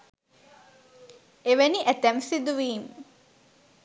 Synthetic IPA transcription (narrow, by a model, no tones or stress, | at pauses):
eʋeniʔæt̪æmsid̪uʋiːm